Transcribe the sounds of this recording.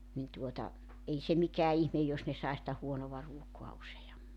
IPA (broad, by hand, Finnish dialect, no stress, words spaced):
nin tuotɑ ei se mikæː ihmej jos ne sɑi sĭtæ huonoʋɑ ruokoɑ usejɑmːi